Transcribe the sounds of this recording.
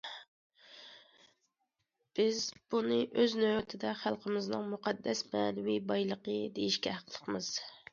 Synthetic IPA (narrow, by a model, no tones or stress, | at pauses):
b̥ɪzb̥unɨʔøznøwt̪ʰɪd̪ɛχælˠqʰəmɪznɨŋmuqʰɑd̪ːɛsmɛːnwibɑjlˠəqəd̪ejiʃkʲɛɦæqʰlˠəqmɨz̥